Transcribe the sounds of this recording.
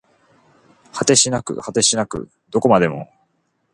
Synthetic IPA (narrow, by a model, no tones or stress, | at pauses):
hat̪e̞ɕinakɯ̟̰hat̪e̞ɕinakɯ̟̰ | d̪o̞ko̞mad̪e̞mo̞̰